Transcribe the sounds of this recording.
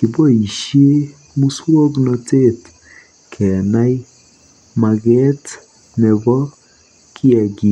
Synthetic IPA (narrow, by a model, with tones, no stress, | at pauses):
ki˨bɔ˦i˨ʃie˦ | mu˦swɔ˦ɡnɔte˦t | kʰɛ˨a˨na˦j | ma˨ɣɛ˦t | nɛ˨βɔ˦ | kʰi˦a˨ɡi˦